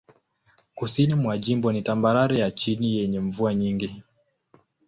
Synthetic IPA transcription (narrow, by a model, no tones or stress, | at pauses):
kusinimwad͡ʒimbɔnitambaɾaɾɛjat͡ʃinijɛɲɛɱ̩vuaɲiŋɡi